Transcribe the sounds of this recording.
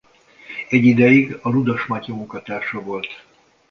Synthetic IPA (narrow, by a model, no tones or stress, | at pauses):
ɛɟːid̪ɛjiɡɒɾud̪ɒʃmɒcɔmukɒt̪aːʃɒvo̞lt̪